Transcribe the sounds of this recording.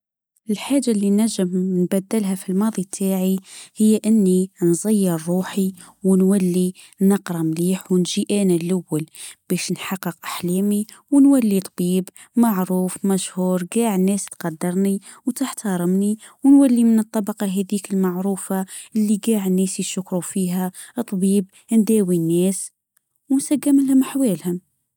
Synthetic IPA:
ʔɪlħaːʒːalːinæʒːəmnbæd̪ːəlɦæfilmɑːðˤit̪ʰːaːʕihɪjːʔənːinzˤɑjːɑɾˤːuːħi | wnwælːi | nɑqɾˤɑmliːħwnʒiʔæːnælʔawːælb̥ɛːʃnħɑqːəqʔaħlɛːmi | wnwælːit̪ˤbiːb | maʕɾuːfmæʃhuːɾˤɡaːʕnːɛːst̪qɑd̪ːɑɾˤni | wt̪əħt̪ɑɾˤəmni | wnwalːimənɨt̪ˤːɑbɑqɑɦɛd̪iːkəlmaʕɾuːfaʔəlːiɡaːʕnːɛːsiʃʊkɾufiːɦæt̪ˤːbiːb | nd̪æːwinːɛːs | wnsaɡːəməlhʊmħwɛːlhʊm

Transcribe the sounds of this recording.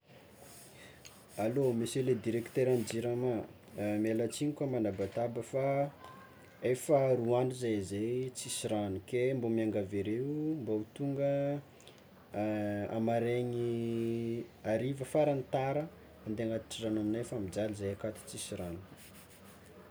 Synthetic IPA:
alomiseled̪iɾekt̪eɾand͡ʒiɾama | melat͡siɲikamanabat̪abəfa | efəruanuzajzejt͡sisiɾanukembomiaŋɡaveɾeumbaut̪uŋɡə | a̰maɾeɲi | aɾivəfaɾant̪aɾə | and̪eaŋat̪ʈ͡ʂiranamnefamid͡zalizajakat̪i̥t͡sisiɾanu̥

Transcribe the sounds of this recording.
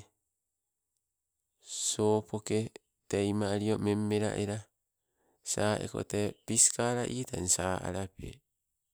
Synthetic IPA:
soːpʰo̞ke | tejmaɾiome̞mːe̞ɾa̰ʔeɾa | saːʔḛko̞̰tepiskaɾaʔiːtʰansaːʔa̰ɾapḛ

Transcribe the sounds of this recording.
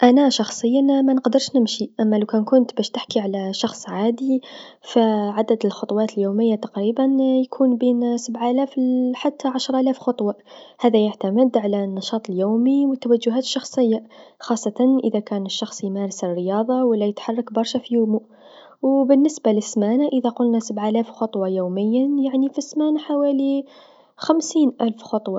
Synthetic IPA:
ʔanaʃɑxsˤəjːanmanəqd̪ɑɾʃnɪmʃiʔamːalawkænkʊnt̪bæːʃt̪ɪħkiʕalaʃɑxsˤʕaːd̪ifaʕad̪ad̪ɪlxʊt̪ˤwɑːt̪ɪljuːmɪjːat̪ɑqɾiːbanjkʰuːnbiːnsabʕʔælæːfħat̪ʰːaʕaʃɾˤʔælæːfxʊt̪ˤwɑhæːðæjaʕt̪amɪd̪ʕalanːɑʃɑːt̪ˤəljuːmiwɪt̪ːawad͡ʒːʊɦæːt̪ə̥ʃːɑxsˤɨjːaxɑːsˤːɑt̪ɑnʔɪ̰ðakæːnɪʃːɑxsˤjmæːɾɪsɪrːɪjɑːðˤɑwɪlːajɪt̪ħɑrˤːɑkbɑɾˤʃafijumuʔ | wbɪnːɪsbalɪsmaːnaʔɪðaqʊlnasabʕʔælæːfxʊt̪ˤwɑjoːmɪjːajaʕnifisːmaːnaħawæːli | xamsiːnʔælfxʊt̪ˤwɑ

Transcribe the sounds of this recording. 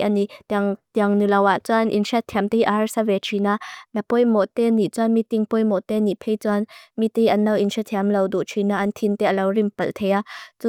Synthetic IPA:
ʔanit̪ŋt̪iŋnulɐwʔaʔt͡sɔnʔinsɛt̪ʰɛmt̪eiʔahɐrsavɛt͡ʃʰinanapɔjmɔt̪ɛnit͡sɔnmit̪iŋpɔjmɔʔt̪ɛnipʰɛjt͡sɔanmit̪eiʔɐnːɐwʔinsɛt̪ʰɛamlɐwd̪uʔt͡ʃʰinaʔɐnt̪ʰint̪ɛʔɐlɐwrimpɐlt̪ʰejat͡su

